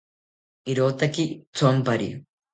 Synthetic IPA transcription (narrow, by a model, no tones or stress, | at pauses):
iɾoːt̪ːɐkːit͡sompɐɾḭ